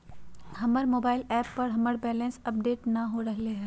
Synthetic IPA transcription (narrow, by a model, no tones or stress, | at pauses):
ɦɐməɾmoːbaːɪlɛːpːɐɾɦɐməɾbɛːlɛ̃nsɐp̚ɖeːʈnɐɦoɾɐɦleɦɛː